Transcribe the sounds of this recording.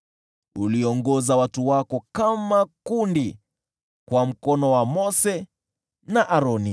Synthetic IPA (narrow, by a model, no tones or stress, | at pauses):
uliɔŋɡɔzawatuwakɔkamakundi | kwam̩kɔnɔwamɔsɛ | naʔaɾɔni